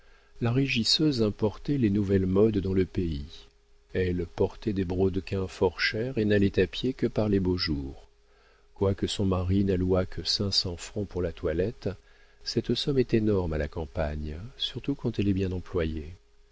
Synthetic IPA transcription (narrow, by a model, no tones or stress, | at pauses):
laʁeʒisøzɛ̃pɔʁt̪ɛlenuvɛlmɔd̪ːɑ̃ləpei | ɛlpɔʁt̪ɛd̪ebʁod̪kʲɛ̃fɔʁʃɛʁenalɛt̪apjekəpaʁleboʒuːʁ | kwakəsɔ̃maʁinalwakʰəsɛ̃sɑ̃fχɑ̃puʁlat̪walɛt̪ | sɛt̪sɔmɛt̪enɔʁmalakɑ̃paɲsyʁt̪ukɑ̃t̪ɛlɛbjɛ̃nɑ̃plwaje